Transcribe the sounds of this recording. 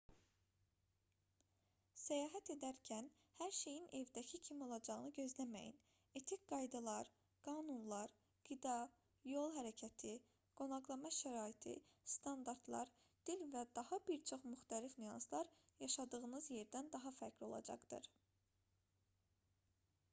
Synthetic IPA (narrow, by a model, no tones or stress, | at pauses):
sæjɑːɦæt̪ʰe̞d̪æɾcʰæn | hæɾʃe̞jinʔe̞vd̪æcʰicʰimio̞lˠɑd͡ʒɑʁɯnɯɟø̞zlæmæ̰jḭn | e̞t̪ʰikɡɑjd̪ɑlˠɑɾ | ɡ̥ɑːnunlˠɑɾ | ɡ̥id̪ɑ | jo̞lˠɦæɾæcʰæt̪ʰi | ɡ̥o̞nɑʁlˠɑmɑʃæɾɑːit̪ʰḭst̪ʰɑnd̪ɑɾd̪lˠɑ̰ɾ | d̪̥ilvæd̪ɑhɑbiɾt͡ʃʰo̞χmyxt̪ʰælifnyjɑ̰nslˠɑɾjɑʃɑd̪ɯɣɯnɯzje̞ɾd̪ænd̪ɑɦɑfæcʰlo̞̰lˠɑ̰d͡ʒɑ̰χd̪̥ɯ̰ɾ̥